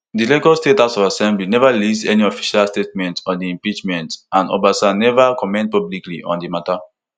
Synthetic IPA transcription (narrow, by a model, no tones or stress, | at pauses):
dileɡɔstetasɔvasɛ̃mblinɛvalisdɛniɔfi̥ʃalstet̚mɛ̃ntʰɔdiĩmpit͡ʃmɛ̃ntʔãnɔ̰basanɛvəkʰɔmɛ̃nt̚pɔblikliʔɔ̰̃ndimata